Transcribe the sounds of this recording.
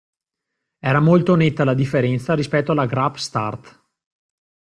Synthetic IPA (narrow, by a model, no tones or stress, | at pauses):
ɛːɾamolt̪onet̪ːalad̪ifːeɾɛnt̪saɾispɛt̪ːoalːaɡɾapst̪art̪